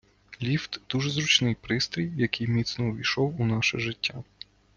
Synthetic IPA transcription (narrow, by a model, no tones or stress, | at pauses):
lʲiwt̪d̪̥uʒɛzɾʊt͡ʃnɪjpɾɪst̪ɾʲijjɐkɪjmʲit̪snɔʋʲiʃɔwunɑʃɛ̰ʒɪtʲːa